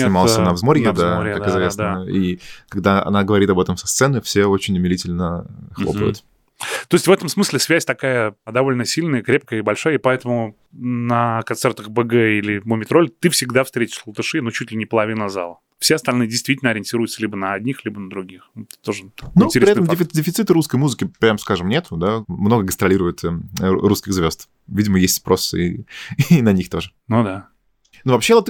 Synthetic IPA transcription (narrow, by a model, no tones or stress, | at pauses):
enɪmalˠsʲɪnavzmoɾʲjəd̪aɾʲjkad̪kɪzvʲesd̪aikɐɡ̚d̪aɐ̰naɡəvɐɾʲit̪ɐbɛt̪əmsɐ̥st̪sɛnɨfsʲeot͡ɕɪnʲʊmʲɪlʲitʲɪlʲnəxlˠopə̰ʊ̰t̪ | t̪o̞ɪsʲtʲvɛt̪əmsmɨslʲɪsvʲæsʲt̪ɐkajəɐd̪ɐvo̞lʲnəsʲilʲnəjəkɾʲe̞p̚kəjəɪbɐlʲʂajəɪpɐɛt̪əmʊ | nəkɐnt̪sɛrt̪əxbɨɡɛilʲɪməmʲɪt̪ɾolʲt̪ɨfsʲɪɡd̪afst̪ɾʲetʲɪ̥ʂlˠət̪ɨʂɨnot͡ɕutʲlʲɪnʲɪpəlˠɐvʲinəza̰lˠə | fsʲeɐst̪ɐlʲnɨjədʲɪjst̪ʲitʲɪlʲnɐɾʲɪnʲtʲiɾʊjʊt̪səlʲibənəɐd̪ʲnʲixlʲibənəd̪ɾʊɡʲixut̪o̞ʐɨnuɾʲɪɛt̪əmdʲɪfʲɪdʲɪfʲɪt̪sɨt̪ɨɾuskəjmuzɨkʲɪpɾʲamskaʐɨmnʲet̪ʊd̪amno̞ɡəɡənt̪ɾɐlʲiɾʊjɪt̪ɾuskʲɪɣzvʲo̞st̪ | vʲidʲɪməjesʲt̪ʲspɾʔosɨḭ | nɐnʲixt̪o̞ʐənud̪a | nuvɐpɕːelˠət̪